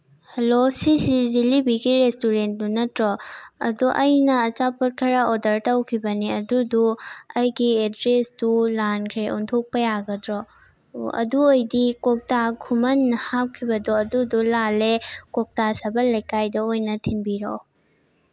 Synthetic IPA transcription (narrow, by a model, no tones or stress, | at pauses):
hɐlosisizilibiɡiɾestuɾent̚dunɐtɾɔɐ̰duʔɐjnɐːt͡ʃapɐt̚kʰɐɾaodɐɾtɐwkʰibɐniɐduduɐjɡiedɾesdulankʰɾeʔontʰok̚pɐjaɡɐdɾɔ | ɐ̰duojdikok̚takʰumɐnːɐhap̚kʰibɐdɔɐdudulalekok̚tasɐbɐlɐjkajdɐojnɐtʰinbiɾo̰